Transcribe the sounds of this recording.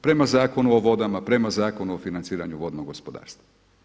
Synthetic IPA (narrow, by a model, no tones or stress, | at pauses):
pɾe̞mazaːko̞nuoʋo̞d̪amapɾe̞mazaːko̞nuofinant̪siːɾa̰ɲuʋo̞d̪noɡospo̞d̪a̰ːɾst̪ʋa